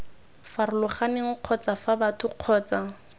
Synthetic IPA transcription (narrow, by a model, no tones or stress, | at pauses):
farɪlʊχaneŋ̩q͡χʰɔt͡safabatʰʊq͡χʰɔːt͡sa